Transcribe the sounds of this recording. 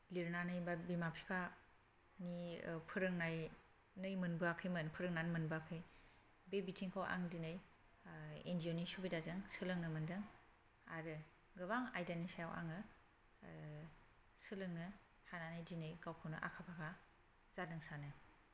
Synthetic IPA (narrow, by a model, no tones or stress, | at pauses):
liɾnanɯjbabimapʰipʰa | nipʰɯɾɯŋnaj | nɯjmɯnbɯakʰɯjmɯnpʰɯɾɯŋnanmɯnbakʰɯj | bebitʰiŋkʰawa̰ŋdinɯj | ḛndionisubidazɯŋsɯlɯŋnɯmɯndɯŋ | aɾɯ | ɡɯβaŋajdanisajawʔa̰ŋɯ | sɯlɯŋnɯ | hananɯjdinɯjkawkʰawnɯʔa̰kʰapʰakʰa | z̥adɯŋsanɯ